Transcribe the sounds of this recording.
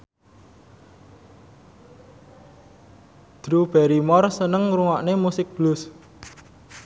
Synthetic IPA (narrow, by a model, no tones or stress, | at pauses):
d̪̥ɾub̥ɛɾimɔrsənəŋɾuŋɔʔnemusɪk̚b̥lʊs